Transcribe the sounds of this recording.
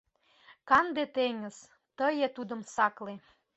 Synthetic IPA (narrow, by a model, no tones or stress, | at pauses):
kɑnd̪et̪eŋəz̥ | t̪əjet̪ud̪əmsɑkle